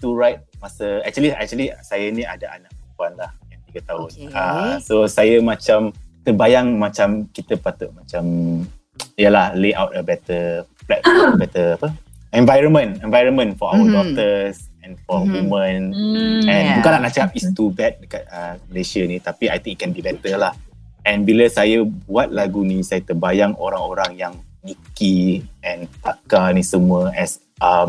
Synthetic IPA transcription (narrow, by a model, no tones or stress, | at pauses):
t̪uɹajt̚masəɛk̚t͡ʃuəliɛ̰k̚t͡ʃuəlisajanĩa̰daʔanãʔpəmpuanlahjaŋt̪iɡat̪aʊnasosajəmãt͡ʃamt̪ərbajaŋmãt͡ʃamkit̪əpat̪ʊʔ̚mat͡ʃam | ijəlahleʔa̰wt̚əbɛt̪əflɛt̚bɛt̪əapə | ɛ̃nvajɾənmə̃nɛ̃nvajɾənmə̃nfɔawədɔk̚t̪əsɛ̃nfɔwumə̃nɛ̃nbukãnlahnat͡ʃəapist̪ubɛt̪̚dəkat̚əməlesənit̪apia̰jt̪ĩŋkit̪̚kɛnbibɛt̪əlah | ɛ̃nbiləsajabuat̪̚laɡunisajat̪əbajaŋo̰ɾaŋoɾaŋjaŋnikiɛ̃nt̪akanisəmuəʔɛs | ʔəm